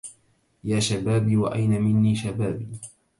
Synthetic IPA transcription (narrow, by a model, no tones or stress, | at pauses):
jaːʃabaːbiːwaʔajnamɪnːiːʃabaːbiː